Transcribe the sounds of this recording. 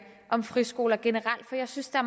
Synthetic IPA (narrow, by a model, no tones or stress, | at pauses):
ʔɒ̽mfʁisɡ̥o̝ːlɐɡ̥e̝nəʁɑl̰d̥fɒ̽jɑ̈ɪsynsd̥eæɐm